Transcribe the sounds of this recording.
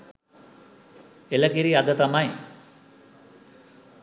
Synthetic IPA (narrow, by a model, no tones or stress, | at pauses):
eləkiɾiad̪ət̪amaj